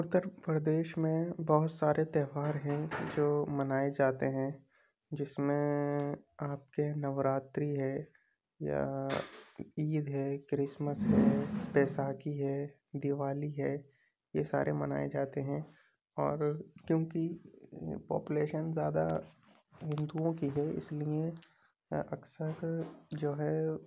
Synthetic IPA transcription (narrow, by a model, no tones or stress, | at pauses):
ʊt̪ːəɾpɾəd̪eːʃmẽbɔɦʊt̪saːɾʔet̪ɛːɦʋaːɾɦɛ̃d͡ʒoːmɐnaːed͡ʒaːt̪eɦɛ̃ | d͡ʒɪsmẽ | aːp̚kenɐʋɾaːt̪ɾiɦɛː | ja̰ | iːd̪ɦɛːkɾɪsməsɦɛːpɛːsaːkiɦɛː | d̪ɪʋaːliɦɛː | jesa̰ːɾʔemɐ̰na̰ːḛd͡ʒaːt̪eɦɛ̃ | ɔ̰ːɾkjõːki | pɔ̰ːpuleːʃənzjaːd̪a̰ | ɦɪ̃nd̪uõkiɦɛɪ̰slie | ɐ̰ksəɾd͡ʒoːɦɛ